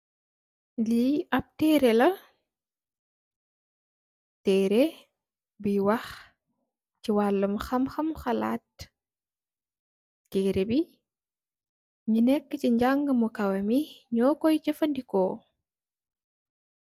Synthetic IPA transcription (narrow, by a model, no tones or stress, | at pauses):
liɐp̚tɛːɾɛlɐ | tɛːɾe | biwɐx | ciwalːɐmxɐmxɐmxɐla̰ːt̚ | tɛːɾebi | ɲunɛkːəciɲɟaŋɡəmukɐwɐmiɲɔːkɔjcɐfɐndikɔː